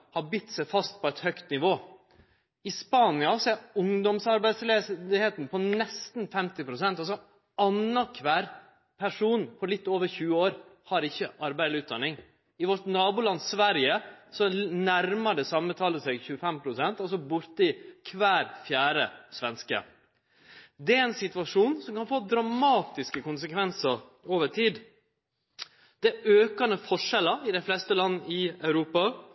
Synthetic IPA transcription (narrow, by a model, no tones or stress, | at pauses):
hɑbʏt̪ːsæɪfɑst̪pʰɔæɪt̪hœkt̪nɪʋoː | ɪspɑːnɪɑseʊŋd̪ɔmsɑɾbæɪd̪sleheːt̪n̩pʰɔnɛst̪n̩fɛmt̪ɪpɾʊsɛnt̪ɑlsɔ | ɑnːɑkʰʋæːɾ | pʰæʂuːnfʰɔlɪt̪ːoːʋəɾçʉːəoːɾhɑɾɪçːəʔɑɾbæɪd̪ʉːt̪d̪ɑnːɪŋ | ɪʋɔɾʈ̪nɑːbʊlɑnːsʋæɾjəsɔnæɾməɖɛsɑmːət̪ʰɑːləsɛɡçʉːəfɛmpʰɾʊsɛnt̪ɑs̬ɔbʊɾt̪əɪkʰʋæːɾfjæːɾəsʋɛnskə̰ | d̪ɛæɾɛnsɪt̪ʉʋɑʂuːnsɔmkɑnfoːd̪ɾɑmɑːt̪ɪskəkʊnsəkʰʋɛnsəɾoːʋəʈʰiːd̪ | d̪̥ɛʔøːkɑnəfɔʂɛləɪd̪æɪflɛst̪əlɑnːəɪɑʉɾuːpɑ